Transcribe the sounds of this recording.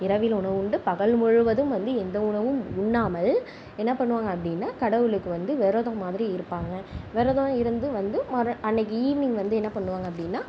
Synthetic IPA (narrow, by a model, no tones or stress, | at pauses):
ɪɾɐʋɪlʊɳɐʋɯɳɖɯpɐɣɐɭmʊɻɯʋɐðɯmʋɐnd̪ɯɛnd̪ɐʊɳɐʋɯmʊɳːaːmɐl | ɛnːɐpɐɳːɯʋaːŋɡɐːp̬ːɐɽɪnːaːkɐɽɐʋɯɭɯkːɯʋɐnd̪ɯʋɛɾoːðõːmaːðɪɾiɪɾɯpːaːŋɡɐʋɛɾoðõːɪɾɯnd̪ɯʋɐnd̪ɯmɐɾɐɐnːɛk̬ːɯiːʋɪnɪŋɡʋɐnd̪ɯɛnːɐpɐɳːɯʋaːŋɡɐpːɐɽɪnːaː